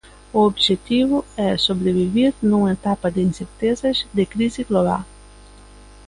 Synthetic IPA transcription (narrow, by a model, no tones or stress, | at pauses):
uobʒet̪ivʊɛsobɾeviviɾnũmɐet̪apɐd̪ɪinseɾt̪ezɐzd̪ɪkɾiziɡloβa̰l